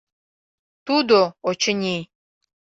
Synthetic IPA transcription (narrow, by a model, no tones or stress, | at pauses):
t̪ud̪oot͡ʃʰənʲi